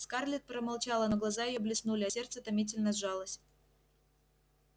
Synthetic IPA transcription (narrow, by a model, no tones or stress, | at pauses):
skarlʲɪt̪̚pɾəmalˠt͡ɕalˠənoɡlˠɐzajɪjoblʲɪsnulʲɪɐsʲe̞rt̪sət̪ɐmʲit̬ʲɪlʲnəzʐɑlˠəsʲ